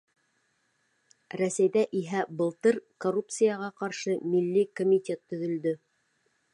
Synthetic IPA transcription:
ɾæsæjðæʔiɦæbɤ̆lˠt̪ɤɾkorup̚t̪sɨjaʁɑqɑɾʃɤmilːikomʲitʲet̪ːɵ̆ðɵ̆ld̪ɵ

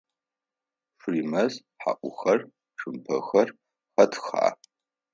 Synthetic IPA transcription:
ʂriːmɐz | ħa̰ʔʷʊxɐr | ʂʰɨmpʰɐ̰xɐr | χɐtʰxa̰ː

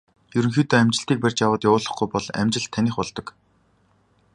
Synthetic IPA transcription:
jɵɾɵ̆ŋxiːt̪oːæmt͡ɕɪ̆ɬt̪iːk̚pær̥ʲt͡ɕjawəːt̪jaʊːɮə̆χɡujpɔɮæ̰mt͡ɕɪ̆ɬt̪ʰːaniːχpɔɮt̪ɞ̆k

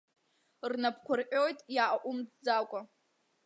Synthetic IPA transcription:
rnapʰkʷʰʊrʔʲʼo̞jtʼjaʔʔʷʊmːakʷʼa

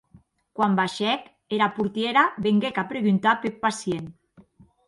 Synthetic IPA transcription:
kwambaʃɛk | eɾapuɾt̪jeɾaβeŋɡekapɾeɣunt̪apepasjen

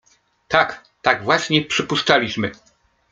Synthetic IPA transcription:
t̪ak | t̪aɡvwaɕɲɛpʂɘpuʂt͡ʂalʲiɕmɘ

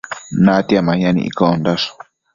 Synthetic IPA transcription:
nãt̪iamãɲãnḭ̃ʔḭkond̪aʂo̥

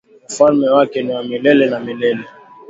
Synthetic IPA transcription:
faɾmɛwakɛniwamilɛlɛnamilɛlɛ

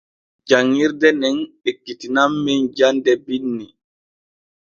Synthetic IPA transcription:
d͡ʒaŋːiɾdɛnɛnekːitinamːɛnd͡ʒandɛbinːi

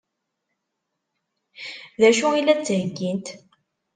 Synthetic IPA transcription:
ðæʃuilːæt͡sːɦəɡːint̪

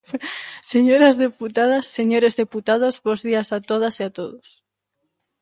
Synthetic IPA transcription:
seɲoɾazðeput̪að̞asːeɲoɾezðeput̪að̞ozβozðiasat̪oðasiat̪oðos

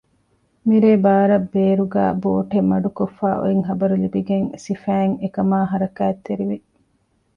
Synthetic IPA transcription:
miɾeːbaːɾɐbːeːɾuɡæ̰ːboːʈemːɐɖukofːaːʔo̰iŋɦɐbɐɾulibiɡeŋsifæːŋekɐmaːɦɐɾɐkæːt̪ːeɾiʋi

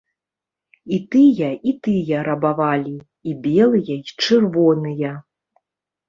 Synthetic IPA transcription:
it̪ɨjɐit̪ɨjɐɾɐbavalʲi | ibʲɛlˠɨjɐit͡ʂɨrvɔnɨjɐ

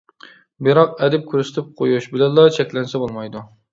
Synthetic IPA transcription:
bɪɾɑqɛd̪ɪp̚kʲʰyɾsɪ̥t̪ʰɪp̚qʰojuʃbɪlɛnlːˠɑt͡ʃʰɛkʲlɛnsɛbolˠmɑjd̪u

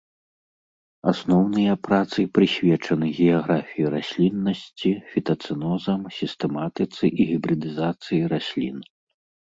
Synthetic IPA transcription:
a̰snɔwnɨjɐpɾat̪sɨpɾɨsʲvʲɛt͡ʂɐnɨɣʲɛjaɣɾafʲijiɾasʲlʲinːɐsʲt͡sʲifʲit̪ɐt̪sɨnɔzɐmsʲist̪ɛmat̪ɨt̪sɨʔiɣʲibɾɨd̪ɨzat̪sɨjiɾasʲlʲḭn

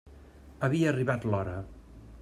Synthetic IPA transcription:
əβiəːriβat̪lɔɾə

